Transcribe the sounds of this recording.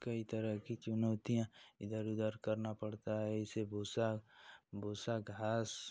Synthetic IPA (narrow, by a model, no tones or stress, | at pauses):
kɐit̪əɾəɦkit͡ʃʊnoːt̪ijãɪd̪əɾʊd̪əɾkɐɾnapɐɽt̪aɦɛɪseboːsa | bʱoːsaɡʱaːs